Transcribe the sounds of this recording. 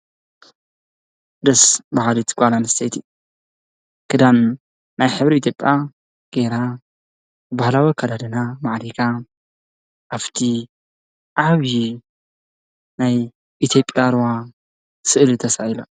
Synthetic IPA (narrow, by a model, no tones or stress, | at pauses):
d̪ɐsbahalit̪ʰɡʷʼalanst̪ʰejt̪ʰi | kʰɨd̪an | najħɨβɾiit̪ʰjo̞pʼːja | ɡ̥eɾa | ɨbahlawikʰɐd̪ad̪ɨnamaʕd̪ikʰa | ʔaft̪ʰi | ʔʕaβji | naj | ʔit̪ʰjo̞pʼjaɾwa | sɨʔlt̪ʰɐsaila